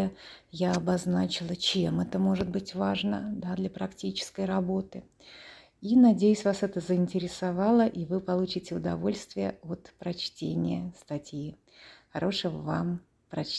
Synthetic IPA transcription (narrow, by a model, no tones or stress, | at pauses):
əjaɐbɐznat͡ɕɪlˠət͡ɕemɛt̪əmo̞ʐɨd̪̚bɨtʲvaʐnəd̪ad̪lʲɐpɾɐktʲit͡ɕɪ̥skəjɾɐbo̞t̪ɨ | inɐdʲejʉsʲvasɛt̪əzəɪnʲtʲɪɾʲɪsɐvɑlˠəʔivɨpɐlˠut͡ɕɪtʲɪʊd̪ɐvo̞lʲst̪vʲɪjəo̞t̪pɾɐt͡ɕtʲenʲɪ̰jəst̪ɐtʲji | xɐɾo̞ʂəəvam | pɾɐt͡ɕʲ